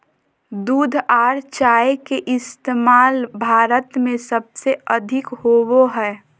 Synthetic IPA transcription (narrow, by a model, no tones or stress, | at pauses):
d̪uːd̪ʱaːɾt͡ʃaːekeʔɪst̪eːmaːlbʱaːɾət̪mẽsəb̚seəd̪ʱɪkhoːwoɦɛː